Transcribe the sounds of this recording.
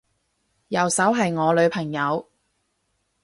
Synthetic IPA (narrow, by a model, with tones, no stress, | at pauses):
jɐ˨˩wsɐ˨˥wɦɐ˨jŋɔː˨˧lɵ˨˧ɥpʰɐ˨˩ŋjɐ˨˧w